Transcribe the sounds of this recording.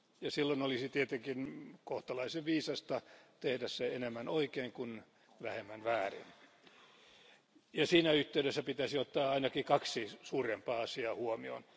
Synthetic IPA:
jɑsilːonolisit̪iet̪eŋkinkoht̪ɑlɑiseʋʋiːsɑst̪ɑt̪ehdæsseenemːænoikeːŋkun | ʋæhemːænʋæːrḭn | jɑsiːnæyht̪ːeyɾesːæpit̪æsiot̪ːɑːɑinɑkikɑksisuːrempɑːɑsiɑːhuomio̰n

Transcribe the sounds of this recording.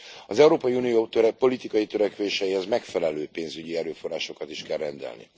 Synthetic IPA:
ɒzɛuɾoːpɒjiunijot̪øɾɛpo̞lit̪ikɒjit̪ø̞ɾɛkʋeːʃɛjihɛzmɛkfɛlɛløːpeːnzyɟiɛɾøːfo̞raːʃo̞kɒt̪iʃkɛrːɛnd̪ɛ̰lnḭ

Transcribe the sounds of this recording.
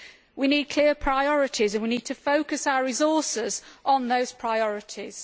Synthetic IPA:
winiːd̚kʰl̥ɪəpʰɹ̥aɪɒɹɪtʰɪzə̃nwiniːd̚tʰəfoʊkəsaʊəɹɪzɔˑsɪzʔn̩ðəʊz̥pʰɹ̥aɪɒɹɪtʰɪz̥

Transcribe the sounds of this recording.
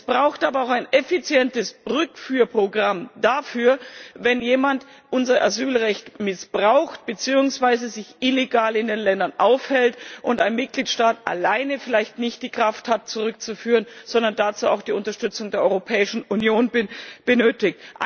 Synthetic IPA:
ɛsb̥ʁaʊxtʔaːbɐaʊxaɪnʔɛfit͡sjɛntəsʁʏkfyːɐpʁ̥oɡʁamdafyːɐvɛnjeːmant | ʔʊnzɐʔa̰zyːlʁɛçtmɪsb̥ʁaʊxt̚b̥ət͡siːʊŋsv̥aɪzəzɪçʔɪleɡaːlɪndeːnlɛndɐnʔaʊfhɛltʔʊntaɪnmɪt̚ɡ̥liːtʃtaːtʔa̰laɪnəfɪlaɪçtnɪçt̚d̥iːkʁ̥afthat̚t͡suʁʏk̚t͡sufyːʁənz̥ɔndɐndat͡suːa̰ʊxd̥iːʊntɐʃtʏt͡sʊŋdeːɐʔɔʏʁopʰɛːɪʃn̩unjoːnbɪb̥ənøːtɪktʔ

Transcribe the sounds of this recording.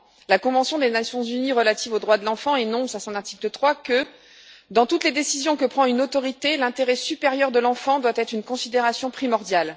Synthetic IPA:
lakɔ̃vɑ̃sjɔ̃d̪enasjɔ̃zyniʁəlat̪ivod̪ʁwad̪əlɑ̃fɑ̃enɔ̃sasɔ̃naʁt̪iklət̪χwakə | d̪ɑ̃t̪ut̪led̪esizjɔ̃kəpχɑ̃ynot̪ɔʁit̪elɛ̃t̪eʁɛsypeʁjœʁd̪əlɑ̃fɑ̃d̪wat̪ɛt̪χynkɔ̃sid̪eʁasjɔ̃pχimɔʁd̪jal

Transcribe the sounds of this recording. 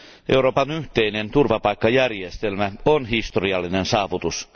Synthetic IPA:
ʔewɾo̞ːpɑnyht̪einent̪urʋɑpɑikːɑjærjest̪elmæonhist̪oriɑlːinensɑːʋut̪us

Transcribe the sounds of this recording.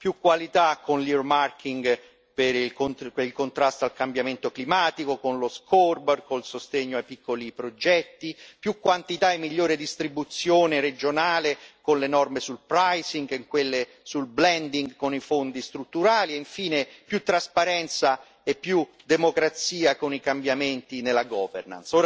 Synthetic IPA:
pjukːwalit̪akʰːonlirmarkʰiŋɡ | peɾilkonpeilkont̪ɾast̪oalkambjament̪oklimaːt̪ikokonloskʰɔrbɛrkolsost̪eɲːoajpikːolipɾod͡ʒɛt̪ːipjukːwant̪it̪aemːiʎːoːɾed̪ist̪ɾibut̪sːjoːneɾed͡ʒonaːlekonlenɔrmesulpɾajsiŋɡiŋkwelːe | sulblɛnd̪iŋɡkonifond̪ist̪ɾut̪ːuɾaːlieiɱfiːnepjut̪ːɾaspaɾɛnt̪sa | epːjud̪emokɾat̪siːakonikambjament̪inelːaɡɔːverna̰nsoːɾa

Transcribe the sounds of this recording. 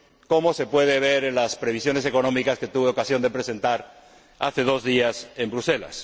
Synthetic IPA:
ko̞mo̞se̞pwe̞ð̞e̞β̞e̞ɾe̞nlaspɾe̞β̞isjo̞nese̞ko̞nõ̞mikaske̞t̪uβeo̞kasjo̞nd̪e̞pɾe̞se̞nt̪aɾ | a̰θe̞ð̞o̞zðiase̞mbɾuse̞la̰s

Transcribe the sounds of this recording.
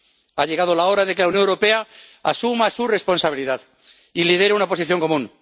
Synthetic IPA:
aʎe̞ɣ̞að̞olao̞ɾaðekelauwnjoŋewɾope̞a | asumasure̞spo̞nsaβiliðað | ilið̞e̞ɾeunapo̞siθjo̞ŋko̞mũn

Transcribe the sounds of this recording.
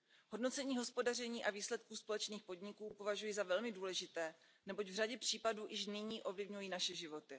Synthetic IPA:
ɦo̞dno̞t͡sɛɲiːɦo̞spo̞dar̝ɛɲiːʔaviːslɛt̪̚kuːspo̞lɛt͡ʃniːxpo̞dɲɪkuːpo̞vaʒujizavɛlmɪduːlɛʒɪt̪ɛː | nɛbo̞ɟvr̝aɟɛpr̝̥iːpaduːʔɪʃ̬nɪɲiːʔo̞vlɪvɲujiːnaʃɛʒɪvo̞t̪ɪ

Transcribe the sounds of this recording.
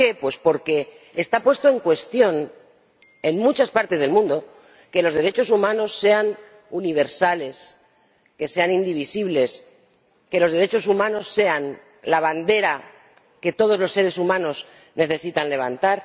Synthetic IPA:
e̞pwe̞spo̞ɾke̞ː | st̪apwe̞st̪o̞eŋkwe̞st̪jo̞n | enmut͡ʃaspaɾt̪e̞zð̞e̞lmũnd̪o̞ | ke̞lo̞zð̞eɾe̞t͡ʃo̞sumãno̞sːe̞an | uniβ̞e̞ɾsale̞s | ke̞se̞anĩnd̪iβ̞isiβle̞s | ke̞lo̞zðe̞ɾe̞t͡ʃo̞sumãno̞sːe̞an | laβand̪e̞ɾa | ke̞t̪o̞ðo̞zlo̞sːe̞ɾe̞sumãno̞s | ne̞θe̞sit̪anle̞β̞ant̪aɾ

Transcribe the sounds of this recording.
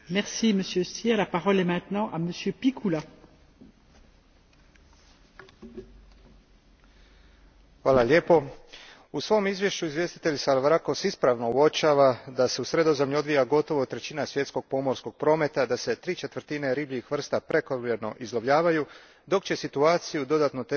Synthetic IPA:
mɛʁsiməsjøst̪jɛlapaʁɔlɛmɛ̃t̪nɑ̃ʔaməsjøpikʰula | xʋaːlalje̞ːpo̞ | usʋo̞mizʋje̞ʃt͡ɕuizvje̞st̪i̥t̪e̞ʎsalʋɾako̞sispɾaʋno̞uo̞t͡ʃaːʋad̪ase̞usɾe̞d̪o̞zemʎuo̞d̪ʋijaɡo̞t̪o̞ʋo̞t̪ɾe̞t͡ɕiːnasʋje̞t̪sko̞ɡ̥̚po̞mo̞ɾsko̞ɡ̚pɾo̞ːme̞t̪ad̪ase̞t̪ɾiːt͡ʃe̞t̪ʋr̩t̪ine̞ɾiːblʲiixʋr̩st̪apɾe̞koʋjeɾno̞̰ʔizlˠobʎʲaːʋaju | d̪o̞kt͡ɕe̞sit̪uaːt̪sijud̪o̞d̪aːt̪not̪e

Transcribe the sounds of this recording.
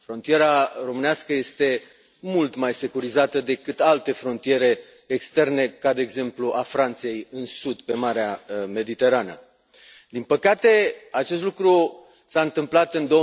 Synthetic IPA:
fɾo̞nt̪ie̞ɾaro̞mɨnaskəje̞st̪e̞ | mult̪majse̞kuɾizat̪əd̪e̞kɨt̪alt̪e̞fɾo̞nt̪ije̞ɾe̞ː | kst̪e̞rne̞kad̪e̞ːɡze̞mpluʔafɾant̪sje̞jɨnsud̪pe̞maɾeame̞d̪it̪e̞ɾanə̰ | d̪inpəkat̪e̞at͡ʃest̪lukɾu | saɨnt̪ɨmplat̪ɨnd̪o̞ə

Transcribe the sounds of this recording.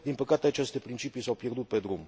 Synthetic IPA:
d̪inpəkat̪eat͡ʃest̪e̞pɾint͡ʃipijsawpje̞rd̪ut̪̚ped̪ɾum

